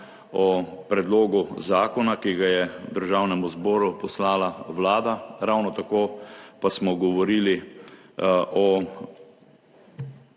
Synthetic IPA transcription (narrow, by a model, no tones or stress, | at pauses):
ɔpɾɛd̪loːɡuzaːkɔnakiɡajɛd̪əɾʒaːwnɛmuzbɔːɾupɔslaːlaʋlaːd̪aɾawnɔt̪akoːpasmɔɡɔʋɔɾiːli | ʔɔ